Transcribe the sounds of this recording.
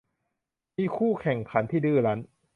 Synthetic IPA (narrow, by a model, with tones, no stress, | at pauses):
miː˧kʰuː˥˩kʰɛ˨˩ŋkʰa˩˦nt̪ʰiː˥˩dɯː˧ɾa˦˥n